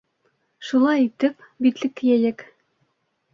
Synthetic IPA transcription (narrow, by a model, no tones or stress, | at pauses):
ʃulˠɑjit̪ɘpbit̪lɘ̆k̚kːɘjæjɘk